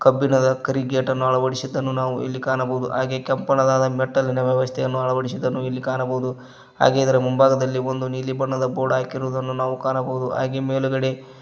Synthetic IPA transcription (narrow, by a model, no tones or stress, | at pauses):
kɐbːinɐd̪ɐkɐɾiɡeːʈɐnːuɐɭɐʋɐɽisid̪ːɐnːunaːʋuʔḭlːikaːɳɐbɐɦud̪ṵʔaːɡe̞kɐmpɐɳɐd̪aːd̪ɐmɛʈːɐlːinɐʋjɛʋɐst̪ʰɛjɐnːuɐɭɐʋɐɽisid̪ːɐnːuilːikaːnɐbɐɦud̪u | ɦa̰ːɡeid̪ɐɾɐmumbaːɡɐd̪ɐlːio̞nd̪uniːlibɐɳːɐd̪ɐboːɽaːkiɾuːd̪ɐnːunaːʋukaːnɐbɐɦud̪ua̰ːɡemeːluɡɐɽe̞